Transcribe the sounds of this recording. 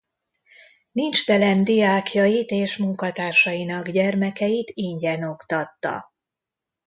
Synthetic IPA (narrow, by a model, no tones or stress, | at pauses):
nint͡ʃt̪ɛlɛnd̪ijaːkʰjɒjit̪eːʃmuŋkɒt̪aːrʃɒjinɒɡɟɛrmɛkɛjit̪iɲɟɛno̞kt̪ɒt̪ːɒ̰